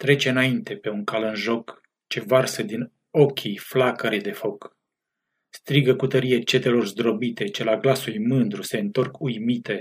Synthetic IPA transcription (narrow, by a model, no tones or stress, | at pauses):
t̪ɾe̞t͡ʃe̞ɨnaint̪e̞pe̞uŋkalɨnʒo̞k | t͡ʃe̞varsəd̪in | o̞kʲʰijflakəɾed̪e̞fo̞k | st̪ɾiɡəkut̪əɾijet͡ʃe̞t̪e̞lo̞rzd̪ɾo̞bit̪e̞t͡ʃelaɡlasuujmɨnd̪ɾuse̞ɨnt̪o̞rkʰujmit̪e̞